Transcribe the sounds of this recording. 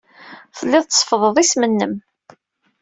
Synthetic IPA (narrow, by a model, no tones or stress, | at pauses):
θəlːɪðˤt͡sːsˤfəðˤəðˤismənːəm